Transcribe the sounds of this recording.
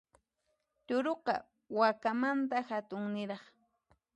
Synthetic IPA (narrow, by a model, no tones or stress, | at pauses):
t̪ʊɾoqɑ̰ | wakamant̪axat̪ʊŋnɪɾɑχ